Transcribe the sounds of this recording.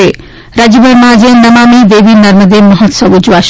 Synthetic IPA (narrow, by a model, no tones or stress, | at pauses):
e | ɾad͡ʑibɐɾmad͡ʑenɐmamid̪ebinɐɾməd̪eɾmɔɦot̪sɔbud͡ʑuaʃ